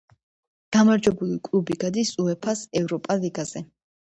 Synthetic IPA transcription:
ɡ̥amaɾd͡ʒwɛbulikʼlˠubiɡad̪isuɛpʰasɛvɾɔpʼaliɡaz̥ɛ

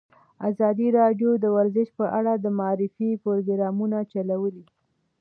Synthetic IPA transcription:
azɑd̪iɾɑɖjod̪əwaɾzɪʃpəʔaɽad̪əmaɑɾɪfipoɾoɡɾɑmunat͡ʃalawəli

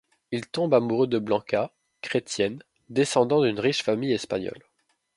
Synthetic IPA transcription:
ilt̪ɔ̃bamuʁød̪əblɑ̃ka | kχet̪jɛn | d̪esɑ̃d̪ɑ̃d̪ynʁiʃfamijɛspa̰ɲjɔ̰l

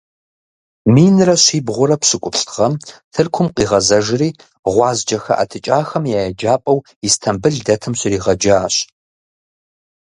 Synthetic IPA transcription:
miːnɨrɐɕiːbʁʷʊɾɐpɕɨkʷʼʊpɬtʰʁɐmtʰɨrkʷʰʊmqʼiːʁɐzɐʒɪriː | ʁʷɑːzd͡ʒɐxɐ̰ʔa̰tʰɨt͡ʃʼaːxɐmjaːjɛd͡ʒaːpʼɐw | istʰɐmbɨɮdɐtʰɨmɕɪriːʁɐd͡ʒaːɕ

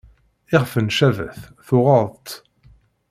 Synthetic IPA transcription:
ɪʁfənʃævə̰θθʊʁɑðˤðˤt̪

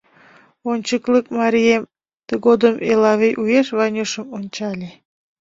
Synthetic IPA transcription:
onʲt͡ɕəklək̚mɑɾʲiem | t̪əɣod̪əmelɑβejʔujeʃβɑjnʲoʃəmonʲt͡ɕɑlʲe

